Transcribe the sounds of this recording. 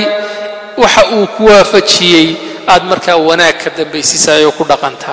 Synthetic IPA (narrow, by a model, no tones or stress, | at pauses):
wɑħɑʔuːkʰʊwaːfɐt͡ʃɪjɛj | aːd̪mɐrkʰaːwɐnaːɡ̚kʰɐd̪ɐmbɛjsɪsaːjɔːkʰʊɖɑqɑnt̪ʰɐ